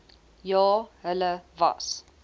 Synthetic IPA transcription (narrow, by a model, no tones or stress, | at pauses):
jɑːɦələva̰s